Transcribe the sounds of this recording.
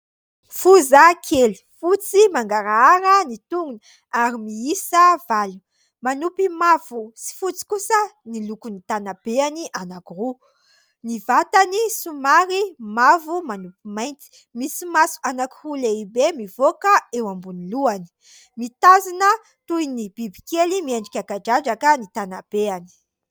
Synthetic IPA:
fuzakʰeli̥fut͡simaŋɡaɾaaɾənit̪uŋunə | aɾimiisəvalu | manupimavusi̥fut͡si̥kusənilukunit̪anab̥eaniʔanakiru | nivat̪anisumaɾimavumanupimajnt͡s̪i̥ | misimasu̥anakiruleibemivokəewambuniluani̥ | mit̪azinə | t̪ujnib̥ibi̥kelimieɳɖ͡ʐikʲakaɖ͡ʐad͡ʒakənit̪anab̥eani̥

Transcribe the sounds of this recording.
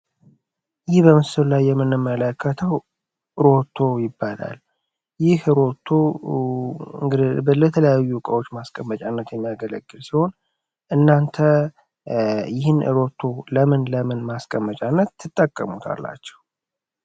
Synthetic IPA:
jɪhbəmɨsɨllajːɛmːɨnːɨmːələkʰːət̪ʰəw | ʔɨɾo̞t̪ʰːo̞jɪbːala̰l | jɪhɨɾo̞t̪ʰːo | ŋɡbələt̪ʰələjajːukʼəwo̞t͡ʃːmaskʼəmːət͡ʃʼanːət̪jɛmːijaɡələɡːɨlsiho̞n | ʔɨnːant̪ʰə | jɪhɨnɨ̰ɾo̞t̪ʰːo̞ləmɨnləmɨnmaskʼəmːət͡ʃʼanːət̪ːɨt̪ʼːəkʼːə̰mut̪ʰa̰lːa̰t͡ʃːɛ̥w

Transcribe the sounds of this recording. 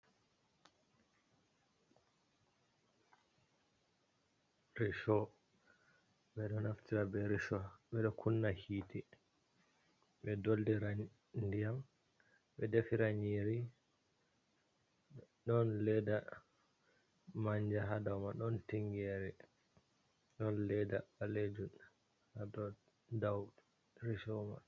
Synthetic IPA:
ɾiʃɔ | ɓɛɗɔnaftiɾabɛɾisɔɓɛɗɔkʰunːahiːti | ɓɛdoldiɾa | ndijam | ɓɛdefiɾaɲiɾi | ɗɔnlɛda | maɲd͡ʒaɦadawmaɗɔntiŋɡɛɾɛ | ɗɔnlɛdaaled͡ʒu | hadɔ | daw | ɾiʃɔma̰

